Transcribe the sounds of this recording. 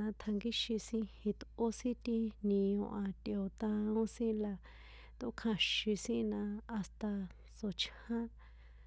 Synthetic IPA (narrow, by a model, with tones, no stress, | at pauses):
ã˧t̪ʰa˧ŋɡi˦ʃi˧sĩ˧hi˧t̪o˦sĩ˦t̪i˧nĩ˧õ˧ʔã˧t̪i˧˨o˧t̪ã˧õ˦sĩ˦la˧ | t̪o̰˧˦kʰã˧ʃĩ˧sĩ˦nã˧a˧st̪a˧ | t͡so˨t͡ʃhã˦